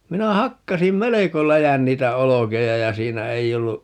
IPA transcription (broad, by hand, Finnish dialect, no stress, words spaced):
minæ hɑkːɑsim meleko læjæn niːtæ olokejɑ jɑ siːnæ ei olːu